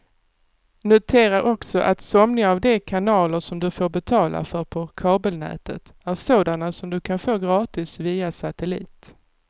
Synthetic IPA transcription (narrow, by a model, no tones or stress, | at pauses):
nʊt̪ʰeːɾaɾʔɔksɔʔa̰t̪sɔmnɪŋavd̪ɛkʰanɑːləʂɔmd̪ɵfoːɾbɛt̪ʰɑːlʔa̰fœɾpʰɔkʰɑːbəlnɛ̰ːt̪ə̰t̪ | æɾsoːd̪anasɔmd̪ɵkʰanfoːɡɾɑːt̪ɪsviːasat̪ɛlḭːt̪